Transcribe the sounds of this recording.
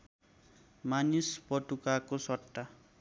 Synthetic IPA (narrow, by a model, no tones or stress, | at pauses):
manispʌʈukakosʌʈːa